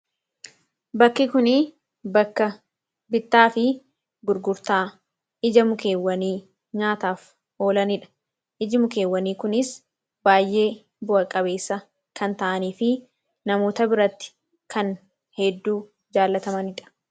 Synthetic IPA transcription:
bɐkːɪkʊnɪ | ɐkːɐ | bɪt̪ːaːfɪ | ɡʊɾɡʊɾt̪aː | ɪd͡ʒɐmʊke̞ːwːɐniː | ɲaːt̪aːf | ʔo̞ːlɐnɪᶑɐ̥ | ʔɪd͡ʒɪmʊke̞ːwːɐniːkʊnɪs | baːjʔe̞ː | bʊʔɐkʼɐbe̞ːsːɐ | kɐnt̪ɐʔɐniːfɪ | nɐmo̞ːt̪ɐbɪɾɐt̪ːɪ̥ | kʰɐn | hɛd̪ːuː | d͡ʒaːlːɐt̪ɐmɐnɪᶑɐ̥

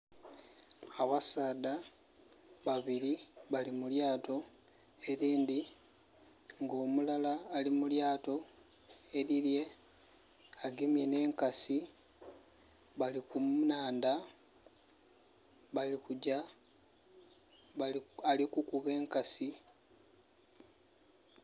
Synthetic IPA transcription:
aβasaːd̪a | βaβiɾiβalimuljaːto̞ | e̞ɾiːnd̪i | ŋɡo̞ːmulalaːlimuljaːto̞ | e̞ɾilje̞ | aɡemje̞ne̞ːŋkasi | βalikumnaːnda | βalikuɟa | alikukuβe̞ːŋkasi

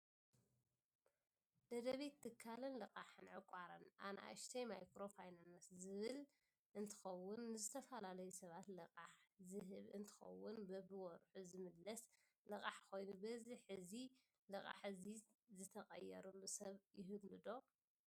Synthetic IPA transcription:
d̪ɐd̪ɐβet̪ʰːɨkʰːalɨnlɨqʼaħɨnʕɨkʷʼaɾɐnʔa̰naa̰ʃt̪ʰɐjmajkɾo̞fajnanoszɨβɨl | ʔɨnt̪ʰɨ̥xɐwːʊnːɨzɨt̪ʰɐfɐlalɐjusɐβat̪lɨqʼaħzɨɦɨβɨ̰nt̪ʰɨ̥xɐ̰wːʊnbɐbɨwɔɾħuzɨmɨlːɐs | lɨkʼaħko̞jnubɐzɨħɨzi | lɨkʼa̰ħɨzizɨt̪ʰɐχʼɐjːɛ̰ɾulːusɐβjɪɦɨβlɨd̪o̞

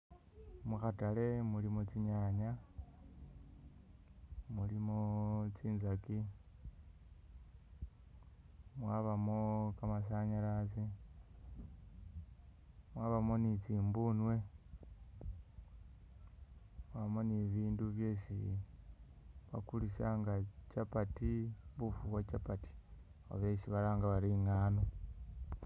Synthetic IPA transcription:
muxatale̞mulimot͡siɲaɲa | mulimot͡siːnzaki | mwaβamokamas̬aɲalat͡si | mwaːβamo̞nit͡siːmbunwe̞ | mwamo̞niβiːnduβje̞ːʃḭ | βa̰kuliʃaŋɡat͡ʃapatiβufukwat͡ʃapati̥o̰βeʃiβaɾaːŋɡaβaɾiŋaːno

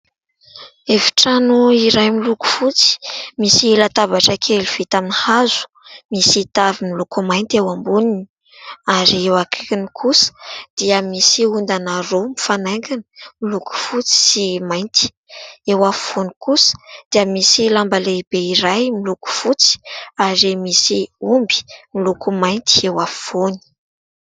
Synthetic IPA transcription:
evi̥ʈ͡ʂanuiɾajmiluku̥fut͡si̥misilat̪abaʈ͡ʂəkʰeluv̥it̪aminihazu̥ | misit̪avimilukumajnt̪ewambunin | aɾiewakʰi̥kinikʰusə̥d̪̥iəmisiund̪anaɾomifanaŋɡanəmiluku̥fut͡si̥simajnt̪i̥ | ewafi̥fonikusə̥d̪̥iəmisilambalebeiɾajmiluku̥fut͡si̥aɾemisiumbi̥milukumajnt̪i̥ewafvoni̥

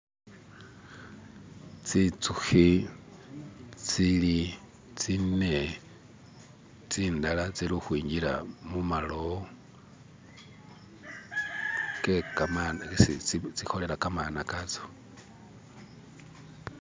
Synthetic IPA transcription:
t͡sit͡suxi | t͡sili | t͡sine | t͡siːndalat͡siluxwiːɲɟiɾa̰mumalo | kekamanit͡sit͡sixolelakamanakat͡so̥

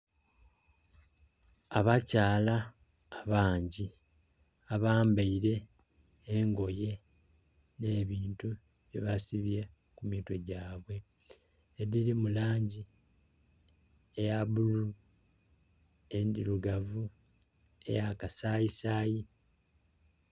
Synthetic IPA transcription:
aβacaːlaː | βaːɲɟi | aβaːmbaiɾe̞ː | ŋɡo̞je̞ | ne̞ːβiːntu | βjḛβasiβje | kumiːto̞ɟaːβwe̞ː | ɾiɾimulaːɲɟi | ejaβulu | endiluɡavu | e̞̰jakasaːisaːji

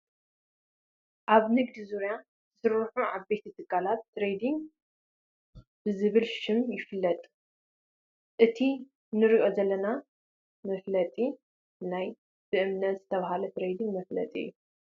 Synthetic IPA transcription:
ʔaβnɨɡ̚d̪izuɾja | zɨsɨɾħuʔaβbet̪ʰit̪ʰɨɡalat̪ːɾejd̪iŋ | b̥ɨzɨβɨlʃɪmjɪfɨlːɐt̪ʼ | ʔɨt̪ʰi | nɨɾiʔo̞zɐlːɐna | mɐflɐt̪ʼi | naj | b̥ɨʔɨmnɐt̪zɨt̪ʰɐβahalɐt̪ʰɾejd̪iŋmɐflɐ̰t̪ʼiɨ̰jːu

